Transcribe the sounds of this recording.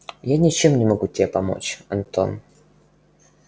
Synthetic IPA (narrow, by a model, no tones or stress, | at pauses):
janʲɪt͡ɕemnʲɪmɐɡutʲɪbʲepɐmo̞̰t͡ɕɐ̰nt̪o̰n